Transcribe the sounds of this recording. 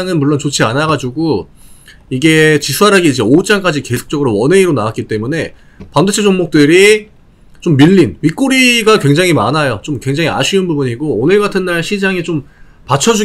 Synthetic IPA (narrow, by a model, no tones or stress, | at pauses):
ŋɯnmuɭːont͡ɕot͡ɕʰianaɡad͡ʑuɡo | iɡe̞t͡ɕisʰuaɾaɡiːd͡ʑe̞ot͡ɕ͈aŋk͈ad͡ʑike̞sʰo̥k̚t͡ɕ͈ʌɡɯɾowʌneiɾonawat̚k͈it͈e̞mune̞ | pamdɯt͡ɕʰed͡ʑoŋmok̚t͈ɯɾi | t͡ɕomːiʎːinmik͈uɾiɡakwe̞ŋd͡ʑaŋɦima̰najot͡ɕomkwe̞ŋd͡ʑaŋia̰ɕʰiɯnbubuɲiɡoonɯɭɡatʰɯnːaɭɕʰid͡ʑaŋit͡ɕom | pat͡ɕʰʌd͡ʑu